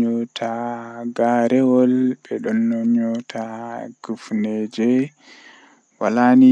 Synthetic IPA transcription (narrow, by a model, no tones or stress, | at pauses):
ɔtʰaɡaɾɛwɔlbɛɗɔnːɔɲɔtʰaɡ̥ufnɛd͡ʒɛ | walani